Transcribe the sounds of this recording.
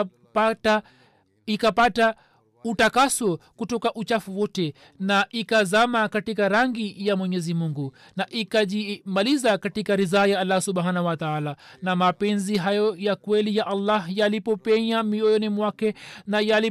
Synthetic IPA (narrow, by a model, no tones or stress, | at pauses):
ikapata | utakasɔkutɔkaʔut͡ʃafuwɔtɛ | naʔikazamakatikaɾaŋɡijamwɛɲɛzimuŋɡu | naʔikaʄimalizakatikaɾizaːjaalːasuɓhanawataalanamapɛnziɦajɔjakwɛlijaʔalːahjalipɔpɛɲamiɔjɔnimwakɛnajali